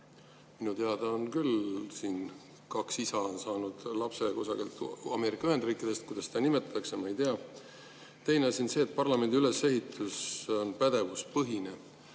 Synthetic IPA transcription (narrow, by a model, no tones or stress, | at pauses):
minut̪e̞ɑd̪ɑonkylsiːn | kɑksisɑonsɑːnud̪̥lɑpse̞kosɑɡilt̪ɑ̰me̞ːɾikːˑɑyhe̞nd̪riːkːˑid̪̥e̞st̪̚kujd̪̥ɑst̪ɑnimet̪ːˑɑt̪ːɑksjɑmɑejt̪eɑ | t̪e̞jne̞ɑsinse̞ːt̪̚pɑrlɑme̞nd̪iylese̞ɦit̪ʰːˑuso̞npæd̪e̞vuspɤɦine̞